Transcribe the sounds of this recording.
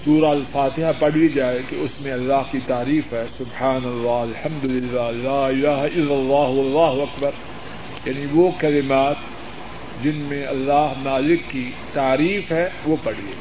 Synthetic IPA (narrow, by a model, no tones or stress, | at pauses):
suːɾaɐlfaːt̪ɪɦapɐɽ̤id͡ʒaːekeʊsmẽɐlːaːɦkit̪aːɾiːfɦɛːsʊbħaːnɐlːaːɐlħɐ̃md̪ʊlɪlːaːlaːɪlaːɦaɪlːɐlːaːɦɐlːaːɦʊɐkbɐɾ | jaːniʋokɐlɪmaːt̪ | d͡ʒɪnmẽɐlːaːɦmaːlɪkːi | t̪aːɾiːfɦɛʋopɐɽ̤ie